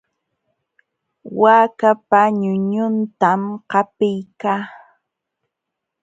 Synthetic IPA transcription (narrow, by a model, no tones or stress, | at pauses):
waːkapaɲʊɲʊnt̪amqɑpɪjkaː